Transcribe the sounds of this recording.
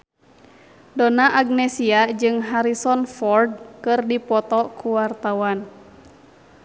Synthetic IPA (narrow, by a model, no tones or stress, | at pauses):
dɔnaʔaɡ̚nɛsiad͡ʒɨŋɦaɾisɔnfɔrd̚kɨrdipɔt̪ɔkuwart̪awan